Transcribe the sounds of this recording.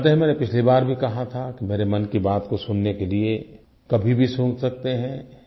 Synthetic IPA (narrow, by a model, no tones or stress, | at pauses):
t̪eɦmɛːnepɪt͡ʃʰlibaːɾbʱikɐɦat̪ʰakimeːɾemɐnkibaːt̪kosʊnːekelie | kɐbʱibʱisũːksɐk̚t̪eɦɛ̃